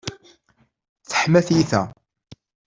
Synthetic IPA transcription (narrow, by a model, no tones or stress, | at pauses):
θə̥ħmæθjiθæ